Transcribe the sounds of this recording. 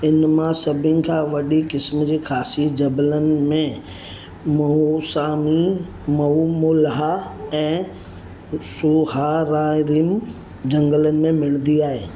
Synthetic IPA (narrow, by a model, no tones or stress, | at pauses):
ɪnmãsɐbʱɪ̃nɪ̆kʰãːʋɐɗikɪsmd͡ʑeːxʰaːsid͡ʑɐblənɪ̆mẽ | mɐɦusaːmi | mɐɦumʊlɦaɛ̃ː | suɦaɾaːɾim | d͡ʑɐ̃ŋɡələnɪ̆mẽmɪlə̃nd̪iaːɦeː